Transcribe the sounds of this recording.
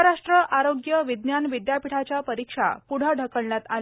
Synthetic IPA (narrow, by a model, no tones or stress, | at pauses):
ɾaʂʈɾəʔaɾoɡjəʋid̪njanʋid̪japiʈʰat͡ɕjapəɾikʂa̰puɽ̤əɖʱəkəɭnjat̪a̰l